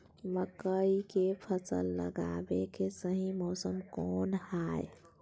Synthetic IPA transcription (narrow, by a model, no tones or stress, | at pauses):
məkəikepʰəsə̰lːə̰ɡa̰bekesəɦĩmɔsəmkɔnhaj